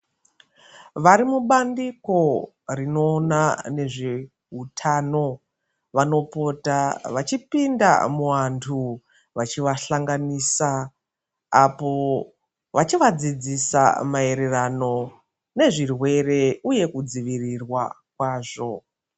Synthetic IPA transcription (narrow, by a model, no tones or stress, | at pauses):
ʋaɾimuɓandiko̞ | rino̞ːnane̞ʐe | ɦutʰaːno̞ | ʋano̞po̞taʋat͡ʃipinda̰muʋantʰu | ʋat͡ʃiʋaɬaŋɡaniːsaː | po̞ | ʋat͡ʃiʋad͡zid͡zisa̰mae̞ɾerano̞ | ne̞ʐirwe̞re̞uje̞kud͡ziʋirirwa̰ | kwaːʐo̞